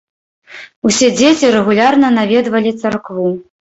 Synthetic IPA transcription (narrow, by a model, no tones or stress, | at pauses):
usʲed͡zʲet͡sʲiɾɛɣulʲarnɐnavʲɛd̪vɐlʲit̪sarkvu